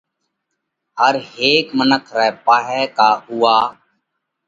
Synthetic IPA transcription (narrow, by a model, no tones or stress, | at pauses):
ɦəɾɦeːkmənəkʰɾɛːpaːɦɛːkaːɦʊːaː